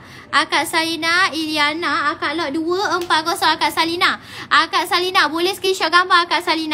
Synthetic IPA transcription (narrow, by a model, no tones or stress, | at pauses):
ʔakat̪̚salinailianaːkaʔlɔʔ̚duəəmpat̪̚kɔsɔʔakatʔsalina | ʔakat̪̚salinabolɛhskiʃɔʔɡambaakat̪̚salina